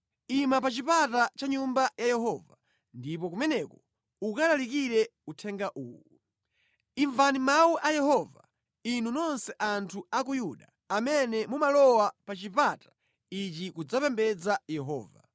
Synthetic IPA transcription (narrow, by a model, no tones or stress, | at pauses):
imapat͡ʃipatat͡ʃaɲumbajajɛɦɔva | ndip̬ɔkumɛnɛkɔ | ukalalikiɾɛutʰɛŋɡaʔṵːwɔ | iɱvanimauʔajɛhɔva̰ | inunɔnsɛʔantʰuak̬ujuɗa | amɛnɛmumalɔwapat͡ʃipatḁ | it͡ʃikud͡zapɛmbɛd͡zajɛɦɔ̰ːva̰